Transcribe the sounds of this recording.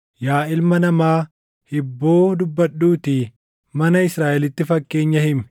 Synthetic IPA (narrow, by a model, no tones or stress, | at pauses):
jaːʔɪlmɐnɐmaː | hɪbːo̞ːd̪ʊbːɐɗːuːt̪ɪ | mɐnɐɪsɾaːʔɛlɪt̪ːɪfɐkːe̞ːɲːɐhɪmɛ